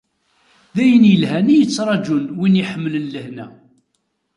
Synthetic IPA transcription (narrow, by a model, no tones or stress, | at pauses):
ðæjənjəlɦænijət͡sːɾˤɑd͡ʒunwiniħəmːələnːəhnæ